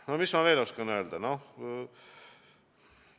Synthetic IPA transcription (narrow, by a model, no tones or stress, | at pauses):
nomismɑʋeːlʲoskɑnøːld̪ɑno